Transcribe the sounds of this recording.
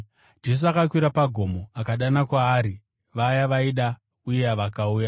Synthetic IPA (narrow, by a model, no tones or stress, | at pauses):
d͡ʒe̞s̬uakakwiɾapaɡʱo̞mo̞akaɗanakwaːɾi | ʋajaʋaiɗa | ujeɦaʋakauːja